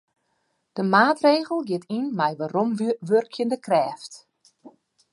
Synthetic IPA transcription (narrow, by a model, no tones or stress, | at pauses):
d̥əmaːtreːɣəl̩ˠɡɪtinmɛjʋaɾomʋørkʰjəndəkrɛːft